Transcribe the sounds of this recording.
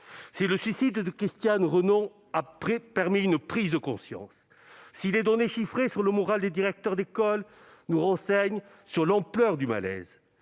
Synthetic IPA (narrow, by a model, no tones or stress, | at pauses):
sɛləsɥisid̪əkist̪janʁənɔ̃ | apepaʁmiynpχizd̪əkɔ̃sjɑ̰̃sː | ilɛd̪ɔneʃifχesyʁləmɔʁald̪ed̪iʁɛk̚t̪œʁd̪ekɔl | nuʁɑ̃sɛɲ | syʁlɑ̃plœʁd̪yma̰lɛ̰z